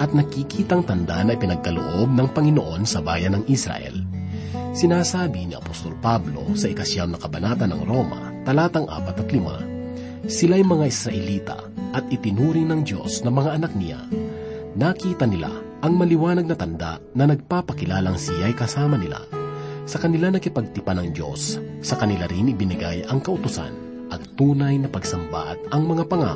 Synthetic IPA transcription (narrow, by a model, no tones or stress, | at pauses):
ʔɐt̪̚nɐkikʰiːt̪ɐŋt̪ɐnd̪a̰nɐʔɪpɪnɐɡ̚kɐlo̰ʔo̞b̚nɐŋpɐŋɪnoʔo̞nsɐbaːjɐnɐŋʔisɾɐ̰ʔɛ̰l | sɪnaːsaːbɪniɐ̰post̪o̞lpablo̞̰sɐʔɪkɐsjawnɐkɐbɐnaːt̪ɐnɐ̰ŋɾo̞mɐ̰ | t̪ɐlaːt̪ɐŋʔa̰ːpɐt̪ɐt̪lɪma̰ | sɪlajmɐŋaʔɪsɾɐʔɛliːt̪ɐ̰ | ʔɐt̪ɪt̪ɪnuːɾɪŋnɐŋd̪jo̞̰snɐmɐŋaʔːnak̚nɪja̰ | nakiːt̪ɐnɪla̰ | ʔɐŋmɐlɪwaːnɐɡ̚nɐt̪ɐnd̪a̰ʔnɐnɐɡ̚papɐkɪlaːlɐŋsɪjajkɐsaːmɐnɪla̰sɐkɐnɪlanɐkɪpɐɡ̚t̪ɪpanɐŋd̪jo̞̰sːɐkɐnɪlaɾɪnɪbɪnɪɡajʔɐŋkɐʔʊt̪ʊsa̰n | ʔɐɡ̚t̪uːnɐjnɐpɐɡsɐmba̰ʔɐt̪̚ɐŋmɐŋapɐŋa̰